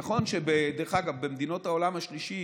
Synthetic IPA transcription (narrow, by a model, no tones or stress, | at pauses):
χo̞nʃebed̪eʁxaɡavbemd̪ino̞t̪haolamhaʃliʃi